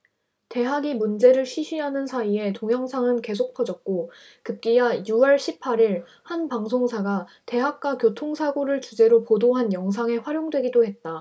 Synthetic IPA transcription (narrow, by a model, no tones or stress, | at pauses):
te̞ɦaɡimund͡ʑe̞ɾɯɭɕʰiɕʰɥiɦanɯnsʰaie̞toŋjʌŋsʰaŋɯnke̞s̬ʰok̚pʰʌd͡ʑʌt̚k͈okɯp̚k͈ijajuwʌɭɕʰipʰaɾiɭ | hanpaŋsʰoŋsʰaɡa | te̞ɦak̚k͈wakjotʰoŋsʰaɡoɾɯɭt͡ɕud͡ʑe̞ɾopodoɦanjʌŋs̬ʰaŋe̞ɸwaɾjoŋdwe̞ɡidoɦe̞t̚t͈a